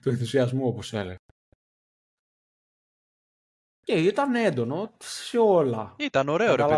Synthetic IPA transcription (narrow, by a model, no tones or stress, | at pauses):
t̪ueθusiɐzmuoposḛlḛɣ | ceit̪ɐne̞nd̪o̞noot̪i̥sseo̞lɐ̰it̪ɐno̞ɾe̞oɾɐlɐ